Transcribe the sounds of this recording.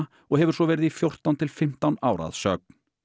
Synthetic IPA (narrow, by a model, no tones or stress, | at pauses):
ɔɣɦɛvʏɾ̥sɔvɛːɾɪðifjowr̥t̪ant̪ʰɪlfɪm̥t̪awnaːwɾa̰ðsœk̚n̥